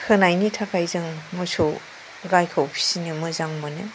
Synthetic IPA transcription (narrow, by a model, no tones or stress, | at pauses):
kʰɯnajnitʰakʰajzɯŋmɔso | ɡajkʰawpʰi̥sinimɯzaŋmɯnɯ